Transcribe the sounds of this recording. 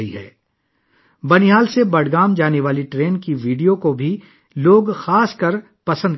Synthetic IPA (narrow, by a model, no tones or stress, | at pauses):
iɦɛː | bɐnɪɦaːlsebɐɽɡaːmd͡ʒaːneʋaːliʈɾeːnkiʋiːɖijokobʱi | loːɡxaːskɐɾ | pɐsə̃nd̪